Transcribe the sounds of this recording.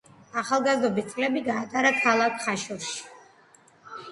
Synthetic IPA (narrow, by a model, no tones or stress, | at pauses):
aχalˠɡazd̪ɔbist̪sʼlɛbiɡaːt̪ʼaɾakʰalˠakʰχaʃuɾʃi̥